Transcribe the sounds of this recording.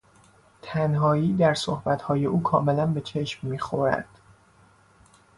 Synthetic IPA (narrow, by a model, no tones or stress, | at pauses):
t̪ʰænɦɒːiːd̪æɾsohbæt̪hɒːje̞ʔuːkʰɒːme̞lænbe̞t͡ʃʰe̞ʃmːiːxoɾæ̰d̪̥